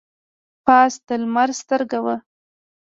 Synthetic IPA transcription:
pɑsd̪əlmaɾst̪əɾɡawə

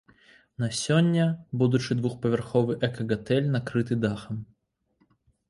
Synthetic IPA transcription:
nɐsʲonʲːəbud̪ʊt͡ʃɨd̪vuxpəvʲɪrxɔvɨjʔɛkɐɡɐt̪ɛlʲnɐkɾɨt̪ɨd̪axɐm

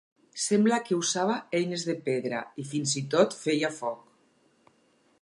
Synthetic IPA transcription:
semblakeusaβaejnezðepeðɾa̰ifinzit̪ot̪fejafɔk

